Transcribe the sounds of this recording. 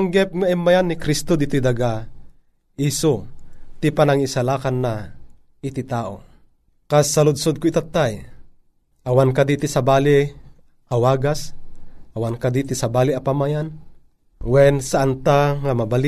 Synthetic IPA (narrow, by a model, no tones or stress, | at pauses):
ŋɡɛp̚ŋaʔɛmːajanːikɾist̪od̪it̪id̪aɡa | ʔisot̪ipanaŋisalakanːa | ɪt̪it̪aːʔo̰ | kasːalʊd̪̚sod̪̚koit̪at̪ːaj | ʔawankad̪it̪isabaːli | ʔawaːɡasʔawankad̪it̪isabaːliʔapamajan | wɛnsaʔant̪aŋamabali